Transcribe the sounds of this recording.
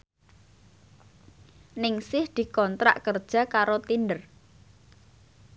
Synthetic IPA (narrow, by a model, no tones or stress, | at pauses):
nɪŋsɪhd̪̥i̤kɔnt̪ɾa̰ʔkərd̥ʒ̥a̤kaɾot̪ind̪ər